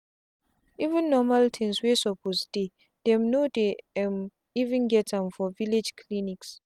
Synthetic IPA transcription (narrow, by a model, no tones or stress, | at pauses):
ivə̃nːɔmaltʰĩnswesɔpʰosd̥e | d̥ɛ̃mnodeɛm | ivĩnɡɛtʰãmfɔviled͡ʒkʰliniks